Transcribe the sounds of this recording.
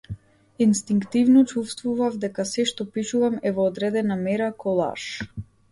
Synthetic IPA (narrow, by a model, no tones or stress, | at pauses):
inst̪iŋkt̪ivnɔt͡ʃufst̪vuvavd̪ɛkasɛʃt̪ɔpiʃuvamɛvɔːd̪ɾɛd̪ɛnamɛɾakɔlˠa̰ʃ